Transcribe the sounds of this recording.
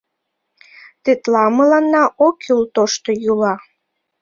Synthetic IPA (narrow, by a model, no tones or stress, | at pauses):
t̪et̪lɑməlɑnːɑʔokylt̪oʃt̪ojulɑ